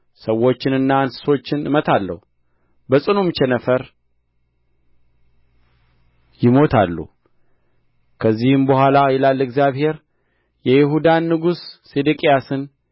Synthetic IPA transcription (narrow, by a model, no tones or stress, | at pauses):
səwːo̞t͡ʃːɪnɨnːaansɨ̥so̞t͡ʃːɪnɨmət̪ʰalːə̰hu | bəsʼɨnumt͡ʃɛnəfəɾ | jɪmo̞t̪ʰalːṵ | kʰəzːihɨmbəhʷalajɛlalːɨɡzjaβhe̞ɾ | jɛjɪɦud̪anːɨɡusː | ed̪ɨkʼijasɨn